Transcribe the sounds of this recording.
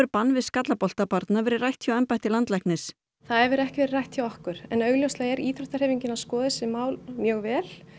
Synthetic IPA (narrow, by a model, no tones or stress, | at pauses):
ɾpanːvɪðskat̪lapɔl̥t̪apaɾt̪navɛːɾɪrajht̪ʰːjawɛmpajht̪ɪlant̪lajhknɪs | θaðɛɾvɛɾɛhcɪvɛɾɪrajht̪θjawɔhkʏɾ̥ɛnœɥɣljowslaɣɛɾiːθɾɔht̪aɾr̥hɛːviɲcɪnaskɔːðɪsɪmaːwlmjœːɣvɛːl